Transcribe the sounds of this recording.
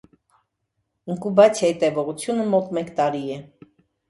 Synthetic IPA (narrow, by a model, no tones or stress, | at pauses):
əŋkubɑt͡sʰjɑjit̪ɛvɔʁut͡sʰjunəmɔt̪mɛkt̪ɑɾiɛ